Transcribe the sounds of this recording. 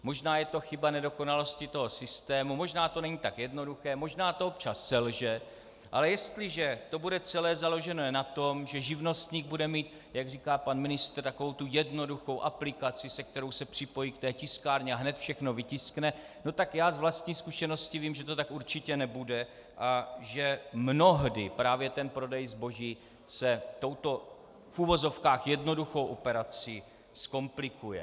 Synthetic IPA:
mo̞ʒnaːjɛt̪o̞xɪbanɛdo̞ko̞nalo̞scɪt̪o̞ɦo̞sɪst̪ɛːmumo̞ʒnaːt̪o̞nɛɲiːt̪akjɛdno̞duxɛːmo̞ʒnaːt̪oop̚t͡ʃasːɛlʒɛ | ʔa̰lɛjɛst̪lɪʒɛt̪o̞budɛt͡sɛlɛːzalo̞ʒɛnɛnat̪o̞mʒɛʒɪvno̞st̪ɲiːɡ̚budɛmiːt̪ | jaɡriːkaːpanmɪnɪst̪r̩t̪ako̞vowt̪ujɛdno̞duxo̞wʔaplɪkat͡sɪsɛk̚t̪ɛɾo̞wsɛpr̝̥ɪpo̞jiːkt̪ɛːcɪskaːɾɲɛaɦnɛt̪fʃɛxno̞vɪcɪsknɛ | no̞t̪akjaːzvlast̪ɲiːskuʃɛno̞scɪviːmʒɛt̪o̞t̪akuɾt͡ʃɪcɛnɛbudɛ | ʔaʒɛmno̞ɦdɪpɾaːvjɛt̪ɛnpɾo̞dɛjzbo̞ʒiː | sɛt̪o̞wt̪o̞ | fuvo̞zo̞fkaːxjɛdno̞duxo̞wʔo̞pɛɾat͡sɪ | sko̞mplɪkujɛ̰

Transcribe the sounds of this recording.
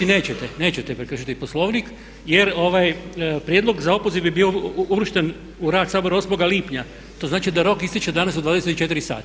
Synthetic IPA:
ine̞ːt͡ɕet̪ene̞ːt͡ɕet̪epɾekɾaʒit̪eipo̞slˠo̞ʋnik | je̞ɾo̞ʋajpɾjed̪lˠo̞ɡzao̞pozivbibiouʋɾr̩ʃt̪en | uɾaːd̪saːbo̞ɾao̞smo̞ɡaliːpɲa | ʃt̪o̞ːznaːt͡ʃid̪aɾo̞kist̪it͡ʃed̪anasod̪ʋaːd̪eset̪it͡ʃe̞t̪iɾisa̰ːt̪

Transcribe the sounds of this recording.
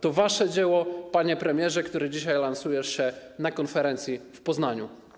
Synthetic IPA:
t̪ɔvaʂɛd͡ʑɛwɔpaɲɛpɾɛmʲjɛʐɛkt̪uɾɛd͡ʑiɕajlansujɛʂɕɛnakɔnfɛɾɛnt̪sʲjifpɔznaɲu

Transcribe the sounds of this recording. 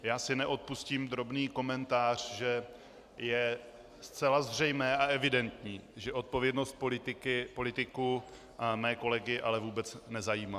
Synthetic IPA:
jaːsɪnɛʔo̞t̪̚pusciːmd̪ɾo̞bniːko̞mɛnt̪aːr̥ʒɛ | jɛ | st͡sɛlazr̝ɛjmɛːʔaɛvɪdɛnt̪ɲiːʒɛʔo̞t̪̚po̞vjɛdno̞st̪̚polɪt̪ɪkɪpo̞lɪt̪ɪku | ʔamɛːko̞lɛɡɪʔalɛvuːbɛt͡snɛzajiːma

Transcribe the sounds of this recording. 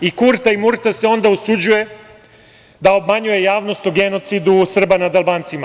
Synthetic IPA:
ikuɾt̪aimuɾt̪ase̞o̞nd̪ausud͡ʑuje̞ | d̪ao̞bmaɲuje̞jaːʋno̞st̪oɡe̞no̞t̪sid̪usr̩banad̪alˠbaːnt̪sima

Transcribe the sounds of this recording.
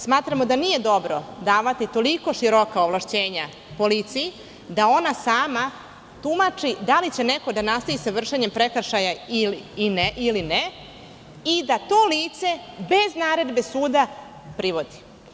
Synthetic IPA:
smaːt̪ɾamo̞d̪anije̞d̪o̞bɾod̪aːʋat̪it̪o̞liko̞ʃiɾo̞kaoʋlˠaʃt͡ɕe̞ːɲa | po̞lit̪siji | d̪ao̞nasaːma | t̪umat͡ʂid̪alit͡ɕe̞nekod̪anast̪aʋisaʋr̩ʃe̞ɲe̞mpɾe̞kr̩ʃajailiːneʔiline | id̪at̪o̞ːliːt̪se̞be̞znaːɾe̞d̪be̞suːd̪a | pɾiʋo̞d̪i̥

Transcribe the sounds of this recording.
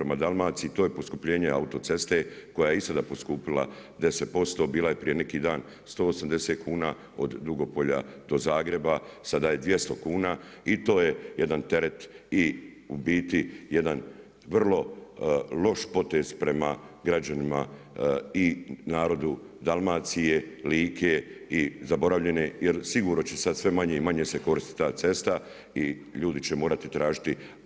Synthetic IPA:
pɾemad̪almaːt̪sit̪ojepo̞skupʎe̞ːɲea̰ut̪o̞t̪se̞st̪e̞ko̞jajeisad̪apo̞skuːpila̰ | d̪e̞set̪̚po̞st̪o̞biːlˠaje̞pɾije̞ne̞kiːd̪aːn | st̪o̞ːosamd̪e̞seːt̪̚kʰuːnaː | o̞d̪d̪uɡo̞po̞ʎad̪̥o̞zaːɡɾe̞basad̪aːje̞d̪ʋje̞st̪o̞kuːnaː | it̪o̞ːjeje̞d̪ant̪e̞ɾe̞t̪ | i | ubiːt̪ijed̪an | ʋr̩lˠo̞ | lˠo̞ʃpo̞t̪e̞ːzpɾe̞maɡɾad͡ʑanima | inaːɾo̞d̪u | d̪alˠmaːt̪sije̞liːkʰeizabo̞ɾaʋʎe̞ne̞jeɾsiɡuːɾno̞t͡ɕesad̪sʋe̞maɲe̞imaɲe̞seko̞ɾist̪i̥t̪ːaːt̪se̞st̪a | iʎuːd̪it͡ɕemo̞ːɾat̪it̪ɾaːʒit̪i

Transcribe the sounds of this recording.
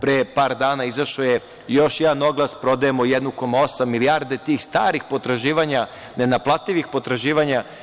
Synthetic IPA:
pɾepaːɾd̪aːnaizaʃoje | jo̞ʃjɛd̪ano̞ɡlaspɾo̞d̪ajemojɛd̪nuko̞mao̞samːilijaɾd̪et̪iːxst̪aːɾixpo̞t̪ɾaʒiːʋaɲa | ne̞naplˠat̪iʋixpo̞t̪ɾaʒiːʋaɲa

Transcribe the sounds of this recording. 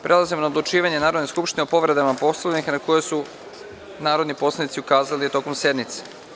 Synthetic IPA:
pɾʔe̞lˠazimonaod̪lˠut͡ʃiːʋaɲe̞naːɾod̪neskupʃt̪ineopo̞ʋɾed̪amapo̞slˠoʋʲnixnako̞jesu | naːɾod̪nipo̞slanit̪siukaːzalit̪o̞ko̞mse̞d̪mit̪se̥

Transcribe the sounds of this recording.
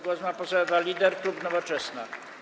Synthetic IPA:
ɡwɔzmapɔsɛvalʲid̪ɛɾklupnɔvɔt͡ʂɛsna

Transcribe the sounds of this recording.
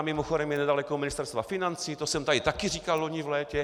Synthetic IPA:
mimɔxɔɾɛmjɛɲɛd̪alɛkɔminist̪ɛɾst̪ʋafinant͡siːt̪ɔsɔmt̪ait̪akiriːkalːɔɲivlɛːcɛ

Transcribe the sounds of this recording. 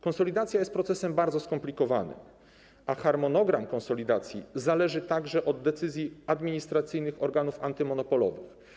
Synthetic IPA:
kɔ̃nsɔlʲid̪at̪sʲjajɛst̪pɾɔt̪sɛsɛmbaɾd̪zɔskɔmplʲikɔva̰nɘ̰m | axaɾmɔnɔɡɾamkɔ̃nsɔlʲid̪at̪sʲjizalɛʐɘt̪aɡʐɛʔɔd̪ːɛt̪sɘzʲjiad̪mʲiɲist̪ɾat̪sɘjnɘxɔɾɡanufa̰nt̪ɘmɔnɔpɔlɔ̰vɘx

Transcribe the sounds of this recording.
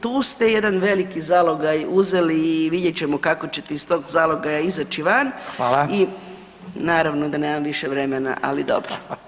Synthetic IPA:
t̪uːst̪e̞je̞d̪anʋe̞likizaːlˠo̞ɡajuze̞liːʋid̪jet͡ɕe̞mokakot͡ɕet̪eist̪o̞ːɡzaːlo̞ɡaizat͡ʃiʋanai | naːɾaʋno̞d̪aneːmamʋiʃeʋɾe̞me̞na̰ʔa̰lid̪o̰bɾo

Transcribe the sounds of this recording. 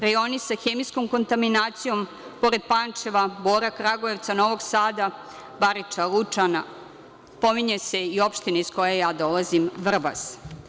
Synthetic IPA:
ɾejonisaxemisko̞mko̞nt̪aminaːt̪sijo̞m | po̞ɾe̞d̪̚paːnt͡ʃe̞ʋabo̞ːɾakɾaɡoeʋt̪sano̞ʋo̞ɡsaːd̪a | baɾit͡ʃalˠut͡ʂana | po̞miɲese̞io̞pʃt̪ineizko̞jejaːd̪o̞lazimʋr̩ba̰s

